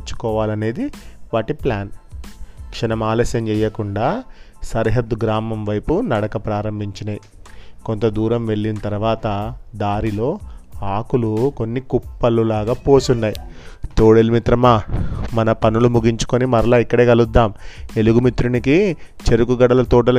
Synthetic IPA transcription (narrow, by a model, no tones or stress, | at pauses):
t͡ʃːu̥kɔːʋaːlɐne̞ːd̪iʋaːʈiplaːn | kʂɐnɐmaːlɐːʃɐmt͡ʃɛjːɐkuɳɖaːsɐɾɦɐd̪ːuɡɾaːmɐmʋɐjpunɐɽɐkɐpɾaːɾɐmbʱiɲt͡ʃinɐ | ko̞nt̪ɐd̪uːɾɐmʋe̞ɭːinɐt̪ɐɾuʋaːt̪ɐd̪aːɾilo̞ːaːkuluko̞nːikupːɐlːulaːɡaːpo̞ːsunːaːjit̪oːɽelmit̪ɾɐmaːmɐnɐpɐnulumuɡiɲt͡ʃu̥konimɐɾlaːikːɐɽe̞ːɡɐlud̪ːaːme̞luɡumit̪ɾunikit͡ʃe̞ɾukuɡɐɽɐlɐt̪ɔːɖɐl